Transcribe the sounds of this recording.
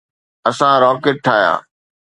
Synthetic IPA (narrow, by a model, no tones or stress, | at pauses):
ɐsãɾɔːkeːʈ̚ʈʰːaːja̰ː